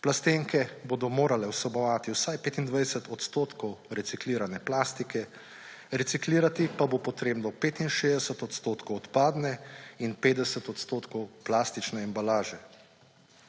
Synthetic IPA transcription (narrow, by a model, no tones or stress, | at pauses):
plast̪eŋkɛbod̪ɔmoːɾalɛwsɔbɔʋaːt̪iwsajpeːt̪ind̪ʋajɛsɛt̪ɔt̪st̪oːt̪kɔwɾɛt̪sikliːɾanɛplaːst̪ikɛ | ɾɛt̪sikliːɾat̪ipabopɔt̪ɾeːbnɔpeːt̪inʃeːzd̪ɛsət̪ɔt̪st̪oːt̪kɔwɔt̪paːd̪nɛinpeːd̪ɛsət̪ɔt̪st̪oːt̪kɔwplaːst̪it͡ʃnɛːmbalaːʒɛ